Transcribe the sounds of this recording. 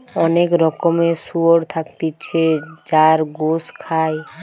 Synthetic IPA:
ɔnekɾɔkomesuoɾt̪ʰakt̪it͡ɕʰed͡ʑaɾɡoskʰae

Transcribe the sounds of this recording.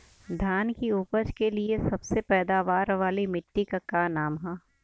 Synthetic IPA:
d̪ʱjaːnkiuːpəd͡ʒkeliesɐbsepɛːd̪aʋaːɾʋaːlimɪʈːikakaːnaːmɦɛː

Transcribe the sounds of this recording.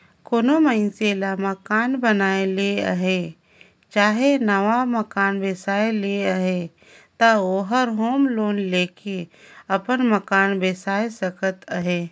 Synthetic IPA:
koːnoməɪnselaməkaːnbənaːeleə̰ɦe | t͡ʃaːɦenəʋaməkaːnbeːsaːeleəɦe | t̪aoːɦəɾɦoːmloːnleːkeəpənməkaːnbeːsaːesəkət̪əɦeː

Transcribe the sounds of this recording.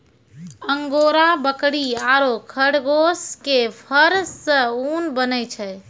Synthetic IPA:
əŋɡoɾabəkɽiaɾokʰəɽɡoskepʰəɾːə̃unbənɛjt͡ʃʰɛ

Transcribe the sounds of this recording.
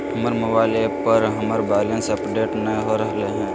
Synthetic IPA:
ɦɐməɾməbaːɪlepəɾɦɐməɾbɛːlə̃nsɐpɖeːʈnəɦoɾɐɦleɦɛ̃ː

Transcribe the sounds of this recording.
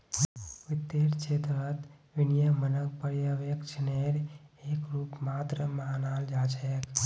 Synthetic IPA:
ʋɪt̪ːeɾt͡ʃʰet̪ɾət̪ʋinijəmənək̚pəɾjəʋekt͡ʃʰneɾekɾupmat̪ɾəmanald͡ʒat͡ʃʰek

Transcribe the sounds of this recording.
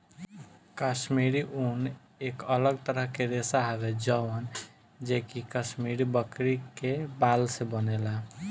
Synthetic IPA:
kaʃmiɾiʔun | ekələɡt̪əɾəɦkeɾesaɦabed͡ʒəən | d͡ʒekikasmiɾibəkɾikebalsebənela

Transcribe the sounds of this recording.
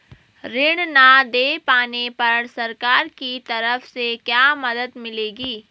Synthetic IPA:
ɾɪɽ̃nad̪eːpaːnepɐɾsɐɾkaːɾkit̪ɐɾəfsekjaːmɐd̪əd̪mɪleːɡiː

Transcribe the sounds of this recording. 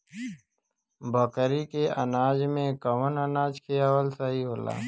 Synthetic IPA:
bəkəɾikeənaːd͡ʒmẽkəʋənənaːd͡ʒkʰiaːwəlsaɦiɦoːla̰ː

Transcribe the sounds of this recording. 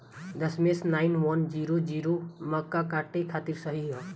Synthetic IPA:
d̪ɐsmesnaːɪnʋɔnd͡ʒiɾod͡ʒiɾomɐkːakaʈekʰaːt̪iɾsəɦiɦɔ

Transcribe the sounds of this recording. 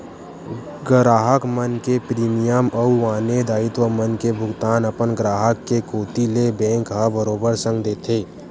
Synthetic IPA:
ɡɾaːɦəkmənkepɾiːmijəmɐuʋaːned̪aːɪt̪ʋəmənkebʱʊɡt̪aːnəpənɡɾaːɦəkːekoːt̪ilebɛ̃ːŋkɦəbəɾoːbəɾsə̃ŋɡd̪eːt̪ʰeː

